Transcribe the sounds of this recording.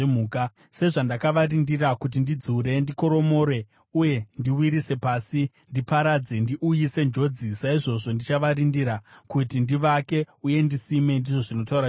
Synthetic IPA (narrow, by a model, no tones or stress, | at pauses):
emuːka | se̞ʐandakaʋarindirakut̬indid͡zuɾe̞ndiko̞ɾo̞mo̞ɾe̞ | uje̞ndiwiɾise̞paːsi | ndipaɾad͡ze̞ndiʔujise̞nd͡ʒo̞d͡zisaiʐo̞ʐo̞ndit͡ʃaʋaɾindiɾakutindiʋake̞uje̞ndisime̞ndiʐo̞ʐino̞tauɾa